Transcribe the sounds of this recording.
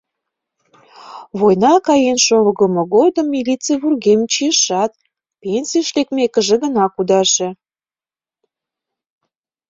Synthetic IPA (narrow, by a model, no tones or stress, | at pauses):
βojnɑkɑjenʃolɣəməɣod̪əmːilʲit͡seəβurɣemt͡ɕijəʃɑt̪̚ | pensijəʃlekmekəʒĕɣənɑkud̪ɑʃe